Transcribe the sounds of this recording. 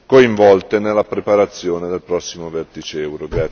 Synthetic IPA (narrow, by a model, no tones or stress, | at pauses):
koiɱvɔlt̪enelːapɾepaɾat̪sːjoːned̪elpɾɔsːimovert̪it͡ʃɛwɾoɡɾa